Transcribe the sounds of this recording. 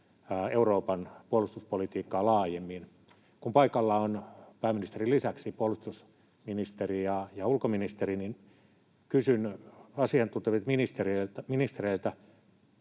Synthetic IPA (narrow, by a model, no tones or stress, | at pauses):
euroːpɑnpuolust̪uspolit̪iːkːɑːlɑːjemːin | kumpɑikɑlːɑonpæːminist̪erilisæksipuolust̪us | minist̪erijɑjɑulkominist̪erinin | kysynɑsiɑnt̪unt̪eʋit̪minist̪erelt̪æminist̪ereilt̪æ